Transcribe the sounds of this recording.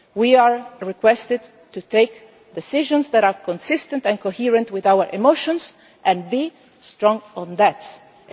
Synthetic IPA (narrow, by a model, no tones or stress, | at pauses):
wiaɹɹikwɛst̪ɪd | tut̪eɪk | d̪ɛsɪʒɔ̃nsðæɾaɹkɔ̃nsɪst̪ə̃ntɛ̃nkohiɹə̃ntwɪðawəɹʔɪmoʃɔ̃ns | ʔɛ̃nbi | stɹɔ̃ŋɔ̃nðæt